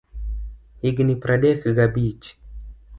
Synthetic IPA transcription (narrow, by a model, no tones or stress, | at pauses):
iɡnipɾaɗekɨɡabit͡ʃi̥